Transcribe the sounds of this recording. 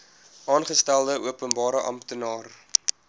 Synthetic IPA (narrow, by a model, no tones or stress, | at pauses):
ʔɑːnχəstælˠdəʔuəpənbɑːɾəʔɐ̰mptənɑːr